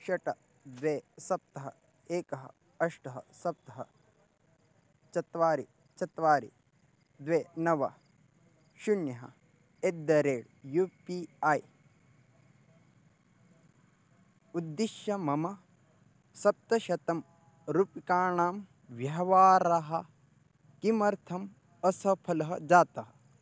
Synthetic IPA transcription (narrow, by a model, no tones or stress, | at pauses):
ʃɐʈɐ | d̪ʋeːsɐp̚t̪ɐɦɐ | eːkɐɦɐ̰ | ɐʂʈɐɦɐ̰sɐp̚t̪ɐɦɐ̰ | t͡ʃɐt̪ʋaːɾi | t͡ʃɐt̪ʋaːɾḭ | d̪ʋeːnɐʋɐ | ʃuɳjɐɦɐ̰ | ed̪ːɐɾeːɽ | juːpiɐːj | ud̪ːiʃjɐmɐmɐ | sɐp̚t̪ɐʃɐt̪ɐm | ɾupikaːɳaːm | ʋjɐɦɐʋaːɾɐɦɐ | kimɐɾt̪ʰɐm | ɐsɐpʰɐlɐɦɐd͡ʒaːt̪ɐɦɐ